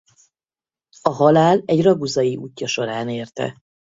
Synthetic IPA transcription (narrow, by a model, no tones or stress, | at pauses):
ɒɦɒlaːlɛɟrɒɡuzɒjiʔuːcːɒʃo̞ɾaːneːrt̪ɛ̰